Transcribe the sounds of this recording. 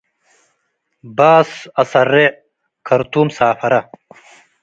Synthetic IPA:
baːsɐsɐɾːe | kʰɐɾt̪uːmsaːfɐɾɐ

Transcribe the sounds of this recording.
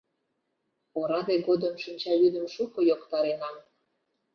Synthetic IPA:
oɾɑd̪eɣod̪əmʃinʲt͡ɕɑβyd̪əmʃukojokt̪ɑɾenɑm

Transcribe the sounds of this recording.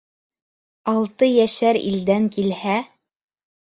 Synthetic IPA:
ɑlˠt̪ɤjæʃæɾḭld̪æŋkilhæ

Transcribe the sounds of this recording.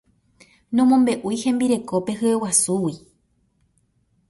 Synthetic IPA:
nõmõmbe̞ʔujhẽ̞mbiɾe̞ko̞pe̞hɨewasuwi

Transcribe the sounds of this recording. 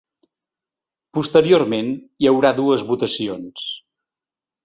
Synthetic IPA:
pust̪əɾiormen | jəwɾaðuəzβut̪əsions

